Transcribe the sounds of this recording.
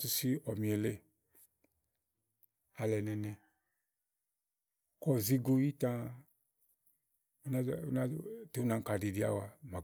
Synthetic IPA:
tu˧si˦ɔ˨mĩ˨e˨le˦ | a˨˧lɛ˨nɛ˧nɛ˧ | kɔ˦˨zi˦ɡo˧ji˦tã˧˦ | na˦˨˦na˦te˨˦u˦nã˧ŋ˦ka˨di˨di˨˦a̰˦wa˨ma˨

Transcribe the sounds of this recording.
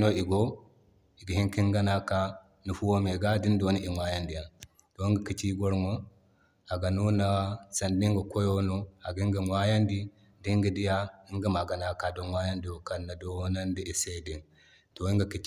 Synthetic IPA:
no˦i˨ɡo˦ | i˨ɡa˨hi˦ŋki˦ŋɡa˦na˦ka˦ | nu˨fu˦wo˦me˨ɡa˦di˦ndo˦ni˦ʔi˨ma˦ja˦ndi˨ja˨ | to˨i˦ŋɡa˨ki˦t͡ʃi˦ɡo˦ɾŋo˦ | a˨ɡa˨nu˦na˦sa˨ndi˦ŋɡa˨ko˦jo˦no˦a˨ɡi˦ŋɡa˨mwa˦ja˦ndi˦ | di˦ŋɡi˨di˦ja˦i˦ŋɡa˦ma˨ɡa˨na˦ka˨do˦nwa˦ja˦ndi˨wo˨ka˦nːa˨do˨˦na˦ndi˦ʔi˨se˦di˨n | to˨i˦ŋɡa˨ki˦t͡ʃ

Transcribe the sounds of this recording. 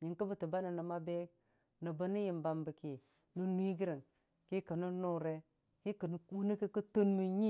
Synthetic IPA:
ɲi˨ŋkə˦bə˨tu˨ba˦ni˨nə˨ma˦be˦ | nə˨bə˦ni˦ji˨mba˨mbə˨ki˨ | nu˦nʷ˦i˦ɡi˦ɾi˨ŋ | ki˦kə˨nu˦nu˦ɾe˦ | ki˦kə˨n˨u˦ni˦ki˦ku˦to˦nmi˨ɲi˦

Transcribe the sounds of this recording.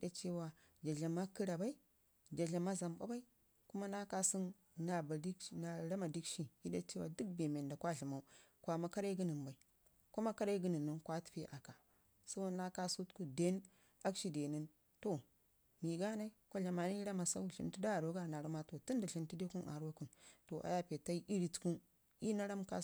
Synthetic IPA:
ji˦da˦t͡ʃe˦wa˨ | d͡ʒa˨ɮa˨ma˦ki˦ɾa˨ba˦i˦ | d͡ʒa˨ɮa˨ma˦za˨mba̰˦ba˦i˦ | ku˦ma˦na˦ka˦si˦n | na˨ba˨di˦kna˨ɾa˦ma˨di˦kʃi˦hi˦da̰˦t͡ʃe˦wa˨du˦k̚be˨me˨nda˨kʷa˦ɮi˨ma˨u˦kʷa˨ma˨ka˦ɾa˦i˦ɡə˦ni˨nba˨i˨ | ko˦ma˦ka˦ɾa˦i˦ɡi˦nə˨nːu˦nkʷa˦ti̥˨pe˦ʔa˨ka˨ | sa˦bo˦na˦ka˦su˦tku˦˨de˦n | a˦kʃi˦de˨ni˦n | to˨ | mi˨ɡa˦na˦i˦kʷo˦ɬa˨ma˨ni˦i˦ɾa˦ma˨sa̰˦u˦˨ɬḭ˨nti˦da˦˨ɾo˨˦ɡa˦˨na˨ɾa˦ma˦to˨ti˦nda˨ɬi˨nti˦de˦ku˦nʔa̰˨ɾo˦ku˦nto˨ʔa̰˨ja˦pe˨ta˦i˦ʔi˦ɾi˦tku˦n | i˦na˦ɾa˦mka̰˦

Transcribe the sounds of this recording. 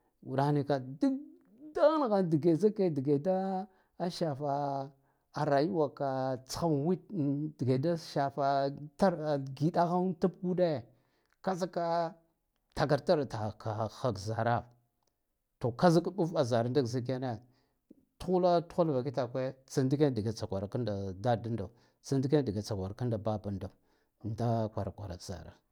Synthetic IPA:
wu˨ɗa˨˦ni˨ka˨du˦ | da˦n˨ɣa˨ndi˨ɡe˨za˦ke˦di˨ɡe˨da˦ | a˦ʃa˨fa˨ | a˨ɾa˨ji˦wa˨ka˨t͡sḁ˨˦xa˦mwi˦t̚di˨ɡe˨da˦ʃa˨fa˨ta˦ɾɡi˨da˦ɣa˦ta˦p̚ɡu˦de˦˨ | ka˦za˦ka˦ | ta˨ɡa˨ɾta˦ɾta˨ka˨xa˨kza˨ɾa˦ | to˨ka˦za˦kɗu˦fa˨za˨ɾa˦nda˦˨za˦k̬a˦na˦˨ | tu˦xu˦la˦tu̥˦xu˦lva˨ki˦ta˨kʷe˦t͡sa˨ndi˦ke˦n˦di˨ɡe˨t͡sa˨kʷa˨ɾa˨ka˦nda˨da˦˨da˦nda˨ | t͡sa˨ndi˦ke˦n˦di˨ɡa˨t͡sa˨ɡʷa˨ɾka˦nda˨ba˦ba˨nda˨ | nda˦kʷa˨ɾa˨kʷa˨ɾa̰˨za̰˨ɾa̰˨

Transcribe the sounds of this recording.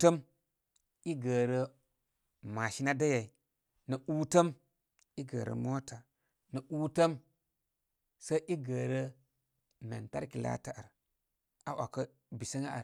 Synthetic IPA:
tə˦m | i˦ɡə˨ɾə˦ | ma˨ʃi˦na˦da˦ja˨i˨ | nə˨ʔu˦tə˦m | i˦ɡə̰˨ɾə̰˨mo˦ta˨ | nə˨ʔuː˦tə˦m | sa˦ʔi˦ɡə˨ɾə˦ | mḛ˨nta̰˦ɾki˨la̰˦ta˦ʔa˨ɾ | a˦ʔa̰˨kə˦ | bi˨sə˦ŋa˦a̰˨ɾ

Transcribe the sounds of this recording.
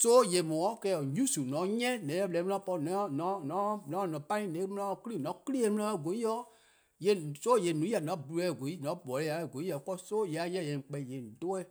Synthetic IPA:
soː˦je˨mɔ̃˨ɔ̃˦kɛː˧˦ɔ˨ɲũ˦su˨nɔ̃˨˦ɲɛ̃˦˨nɛ̃˨˦ɔ˦bɛ˨˦m̃˦ã˧˦pɔ˧˨nɔ̃˨˦nɔ̃˨˦nɔ̃˨˦nɔ̃˨˦˨nɔ̃˨pã˦ĩ˦nẽ˨˦m̩̃˦ã˧ɔ˧˦ki˦li˦˨nɔ̃˨˦ki˦li˦e˧˦m̩̃˦ã˧˦ɔ˦˨ɡo˨˦i˦jɔ˦ | je˨so˦je˨nũ˨˦a˨nã˨˦bu˨˧u˧˦ɛ˨ɡo˨i˦nɔ̃˨˦˨bɔ˨le˦a˨ɡo˨˦i˦ɔ˨˦kɔ˦soː˦je˨a˨˦jɛ̃˦˨jɛ̃˨ŋ˨k͡pɛ˨je˨do˦ɛ˦˨

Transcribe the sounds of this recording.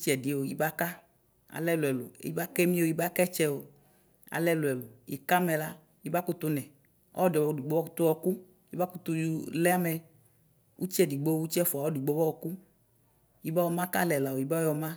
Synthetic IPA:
t͡ʃi˦ɛ˨di˨˦˨o˨jḭ˦ba˦ka˦ | a̰˨lɛ˦lu˨ɛ˨lo̰˨˦ḭ˦ba˦kɛ˦mĩ˦o˨i˦ba˦kɛ˦t͡ʃɛ˦o˨ | a̰˨lɛ˦lo˨ɛ˨lo˨jḭ˨ka˦mɛ˨la˦ | ji˨˦ba˦ku˦t̪u˧nɛ˨ | ɔ̰˦ɔ˦dɔ˨bɔ˨du˨ɡ͡bo˦ɔ˦t̪u˦wɔ˧ku˦ | ji˨˦ba˦ku˦t̪u˧ju˨lɛ˦a˦mɛ˨ | u˦t͡ʃi˦ɛ˦di˨ɡ͡bo˦wu˦t͡ʃi˦ɛ˦fu˨a˨wɔ˦du˨ɡ͡bo˦bɔ˦wɔ˨ku˦ | ji˨ba˦wɔ˧˨mã˦ka˦lɛ˨la˨wo˨i˨ba˦ɔ˦jɔ˨mã˦

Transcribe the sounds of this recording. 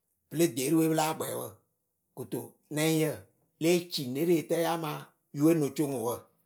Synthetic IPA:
pɨ˨˦le˦˨deː˨˦ɾi˦we˦bɨ˦laː˦˨ɡ͡bɛ˨˦wə̰˦˨ | ku˨to˨ | nɛ̃˨˦ĩ˦jə˦˨ | leː˦t͡ʃi˨ne˦ɾe˦e˨tɛ˦a˦mãː˨˦ | ju˦e˦nõ˨˦t͡ʃo˦ŋu˨wə˦˨

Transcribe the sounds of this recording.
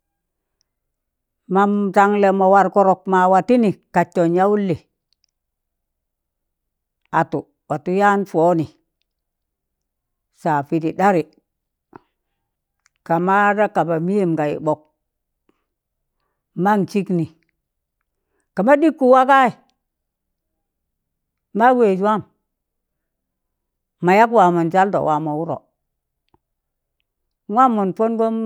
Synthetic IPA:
ma˨mta˨ŋle˨ma˨wa˨ɾko˨ɾo˨k̚ma˨wa˨ti˦ni˨ka˨t͡ʃːo˨nja˦wu˦lːe˨ | a˨tu˨ | wa˨tu˦ja˦nfo˦ni˨ | sa˨fi˨ti˨da˦ɾi˨ | ka˨ma˦da˦ka˨ba˨mi˦je˨mka˨jḭ˨ɓo˨k̚ | ma˦ŋt͡ʃi˦kni˨ | ka˨ma˦di˦kːu˨wa˦ka˦i˨ | a˦we˨d͡ʒa˦m | ma˨ja˦kwa˨mo˨nd͡ʒa˦ldo̰˨wa˨mo˨wu˦ɾo̰˨ | wa˦mo˨npo˦nɡo˦m

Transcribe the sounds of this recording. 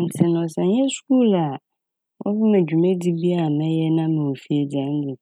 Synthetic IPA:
n̩˨tʰɪ˨nɔ̃˨sã˨ɲɛ̃˦sku˦la˨ | wʔɔ̰˦vu˦mẽ˨d͡ʒᶣu˨mẽ˦di˦bi˦a˦˨mɛ̃˦jɛ˦nã˦me˨wo˨fi˦e˨d͡za˨˦n˦di˨

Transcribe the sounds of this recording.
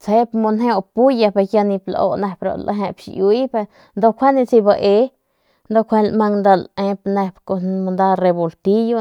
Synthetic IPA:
t͡she˦pmo˧nɦe˦o˧pu˦ja˧pe˧ja˧nĩ˧plo̰˧ne˧pɾo̰˧lʔa̰˧ɦẽ˧pʃju˧i˦pe˧ | nd̪o˧kʷʰa˦ni˧t͡si˧ba˧ʔe˧˦ | nd̪o˧kʷʰe˧lma˧ŋnd̪a˧lẽ˧pne˧pko˧mo˧nd̪a˧re˧bo˨lt̪i˦jo˦

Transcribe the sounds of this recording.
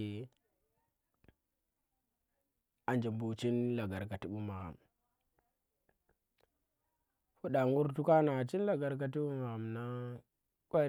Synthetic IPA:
a˨nd͡ʒa˨mbu˦t͡ʃi˦nla˨ɡa˨ɾka˨ti˦ɓu˦ma˨ɣa̰˨m | fu˦ɗa˨ŋu˦ɾtu˦ka˦na˨t͡ʃi˦n˦la˨ɡa˨ɾk̬a˦t̬i˦ɓu˦ma˨ɣa˨mna˦ | kʷa˦

